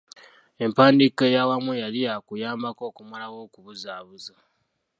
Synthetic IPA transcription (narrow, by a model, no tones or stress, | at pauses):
e̞mpaːndikejawamujaliakujaːmbako̞ːkumalawo̞ːkuβuzaːβuza